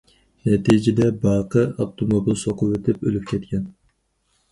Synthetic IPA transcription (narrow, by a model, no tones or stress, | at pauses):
nɛt̪ʰid͡ʒɪd̪ɛbɑːqʰəɑpt̪ʰomobilˠsoqʰʊwet̪ʰɪpølyp̚ʲkʲʰɛt̪kʲʰɛn